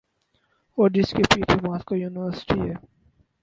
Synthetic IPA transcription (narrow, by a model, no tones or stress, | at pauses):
oːd͡ʒɪskepiːt͡ʃʰemaːskojuːnɪʋəɾsɪ̥ʈiɦɛː